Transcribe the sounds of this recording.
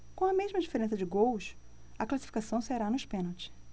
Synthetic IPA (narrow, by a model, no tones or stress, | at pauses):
kõw̃ɐmeʒmɐd͡ʒifeɾẽsɐd͡ʒɪɡowʃ | ɐklasi̥fi̥kasɐ̃w̃seɾanʊɪʃpẽnowt͡ʃɪ̥